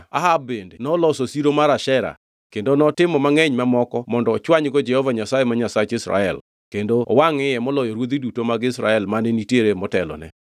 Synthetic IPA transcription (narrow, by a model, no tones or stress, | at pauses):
a̰ɦabendenɔlɔsosiɾomaɾaʃɛɾa̰ | kendonɔtɪmɔmaŋɛɲmamɔkɔmɔndɔːt͡ʃwaɲɡɔd͡ʒɛhɔvaɲasajemaɲasat͡ʃɪsɾa̰ɛl | kendowaŋɪjɛmɔlɔjɔɾwod̪idutomaɡɪsɾa̰ɛlmaneniteɾemɔtɛlɔ̰nɛ̰